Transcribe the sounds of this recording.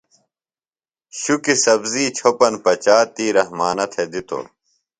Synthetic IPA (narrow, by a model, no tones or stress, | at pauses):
ɕukisɐbziːt͡ɕʰopɐnpɐt͡ɕaːt̪iːɾɐhmaːnɐt̪ʰed̪it̪o̰ː